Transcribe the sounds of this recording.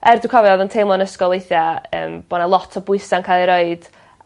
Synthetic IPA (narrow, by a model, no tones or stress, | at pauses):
ɛrdukʰɔvɛɔðɔntʰejmlˠɔnəskɔlˠejθjaə̰ːmb̥onalˠɔtʰɔbʊɨsankʰaːlˠiɾoɨd̥